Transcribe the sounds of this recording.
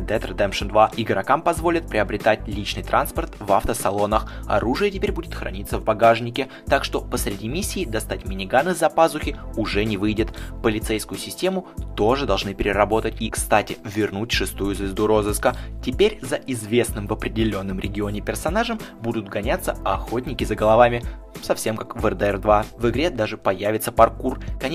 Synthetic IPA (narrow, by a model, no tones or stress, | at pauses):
d̪ɛt̪rd̪ɛmʂɨnd̪vaʔɪɡɾɐkampɐzvo̞lʲɪt̪̚pɾʲɪɐbɾʲɪt̪atʲlʲit͡ɕnɨjt̪ɾʔanspərt̪va̰ft̪əsɐlˠo̞nəxɐ̰ɾuʐɨjətʲɪpʲeɾʲbudʲɪt̪xɾɐ̰nʲit̪səvbɐɡaʐnʲɪkʲɪ | t̪akʂt̪o̞pəsɾʲɪdʲimʲisʲːiːd̪ɐst̪atʲmʲɪnʲɪɡanɨzɐpazʊxʲɪʊʐɛnʲɪvɨjdʲɪt̪pəlʲɪt̪sɛjskʊjʊsʲɪsʲtʲe̞mʊt̪o̞ʐɨd̪ɐlˠʐnɨpʲɪɾʲɪɾɐbo̞t̪ətʲikst̪atʲɪvʲɪrnutʲʂɨst̪ujʊzvʲɪzd̪uɾo̞zɨskətʲɪpʲeɾʲzəʔɪzvʲe̞snɨmvəpɾʲɪdʲɪlʲo̞nːɨmɾʲʔɪ̰ɡʲɪo̞nʲɪpʲɪrsɐnaʐəmbud̪ʊt̪ɡɐnʲat̪səɐxo̞t̚ʲnʲɪkʲɪzəɡəlˠɐvamʲɪ | sɐfsʲe̞mkakvɛrd̪əɛrd̪vavɨɡɾʲed̪aʐɨpɐjavʲɪt̪səpɐrkurkɐnʲ